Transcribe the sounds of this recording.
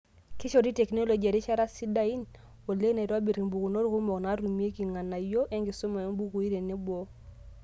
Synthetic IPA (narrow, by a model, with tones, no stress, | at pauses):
ki˦ʃɔ˨di˦tɛ˨kno˦lo˨ɡi˨a˨ɾi˦ʃa˦ɾa˦si˦da˦i˦n | o˨le˦na˨ɾa˦be˨ɾi˨mbu˨ku˨no˦ɾku˦mɔ˨kna˨˦ɾu˨m˦e˦ki˨ŋa˨na˨jo˦ʔɛ˦ŋɡi˨sɔ˦ma˨jo˦ŋ˦bu˦ku˨i˦ɾe˨ne˦bo˦